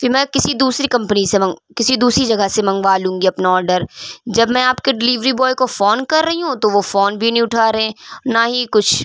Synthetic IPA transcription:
fɪɾmɛ̃ːkɪsid̪uːsɾikɐ̃mpnisemɐ̃kɪsid̪uːsɾid͡ʒɐɡəsemɐ̃ŋɡʋaːlũːŋɡiɐpnaɔːɾɖəɾd͡ʒɐbmɛ̃aːpkeɖɪliːʋɾibɔːjkofɔːnkɐɾːɐɦiɦũt̪oʋofɔːnbʱinɐĩʊʈʰaːɾɐɦẽːnaɦikʊt͡ʃʰ

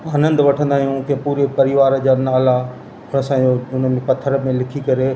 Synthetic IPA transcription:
aːnə̃nd̪ʋɐʈʰə̃nd̪aːɦijũkẽpuːɾepɐɾɪʋaːɾd͡ʑaːnaːla | ʊnəsãːd͡ʑoʊnənpɐt̪ʰəɾmẽlɪkʰikɐɾe

